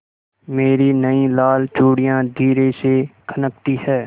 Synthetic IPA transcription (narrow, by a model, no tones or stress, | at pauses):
meːɾinəĩlaːlt͡ʃuːɽijãd̪ʱiːɾesekʰənəkt̪iɦɛː